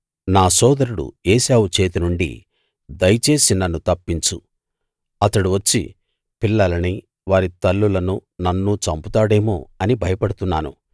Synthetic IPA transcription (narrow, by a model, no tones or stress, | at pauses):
naːsɔːd̪ɐɾuɽṵeːʃaːʋut͡ʃe̞ːt̪inuɳɖḭ | d̪ɐjɐt͡ʃe̞ːsinɐnːut̪ɐpːiɲt͡ʃu | ɐt̪ɐɽuʋɐt͡ʃːḭ | pilːɐlɐni | ʋaːɾit̪ɐlːulɐnunɐnːut͡ʃɐmput̪aːɽe̞ːmo̰ːɐnibʱɐjɐpɐɽut̪unːaːnṵ